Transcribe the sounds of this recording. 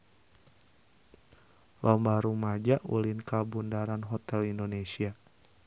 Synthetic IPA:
lʔɔmbahɾumad͡ʒaʔṵlinkabundaɾanɦɔt̪ɛlindonesia

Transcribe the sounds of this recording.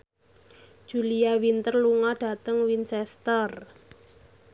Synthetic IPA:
d̥ʒ̥ulijawint̪ərluŋɔɖ̥a̤t̪əŋwinsɛst̪ər

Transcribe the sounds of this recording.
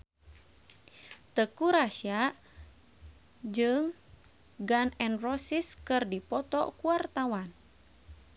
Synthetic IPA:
t̪əkuɾaʃia | d͡ʒɨŋ | ɡanɛnrɔsiskɨrdipɔt̪ɔ̰kuart̪awan

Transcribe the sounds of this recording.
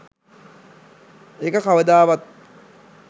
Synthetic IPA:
ekəkaʋəd̪aːʋat̪̚

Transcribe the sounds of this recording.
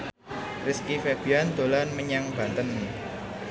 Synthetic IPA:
rɪskifeb̥iand̪̥o̤lanməɲaŋb̥a̤nt̪ənːi

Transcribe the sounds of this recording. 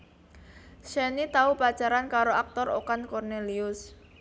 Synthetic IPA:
ʃɛnit̪aupat͡ʃaɾankaɾoak̚t̪ɔrokankɔrneliʊs

